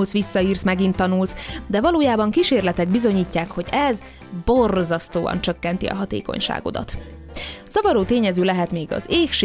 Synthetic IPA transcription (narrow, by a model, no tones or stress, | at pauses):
lsʋisːɒiːrsmɛɡint̪ːɒnulsd̪ɛvɒloːjaːbɒŋkiʃeːrlɛt̪ɛɡbizo̞ɲiːcːaːkho̞ɟɛz | bo̞rzɒst̪oːɒ̰nt͡ʃø̞kːɛnt̪ḭɒ̰ɦɒt̪ḛːko̞̰ɲʃa̰ːɡo̞̰d̪ɒ̰t̪ | z̥ɒvɒɾoːt̪eːɲɛzøːlɛɦɛt̪meːɡɒ̰zeːkʃ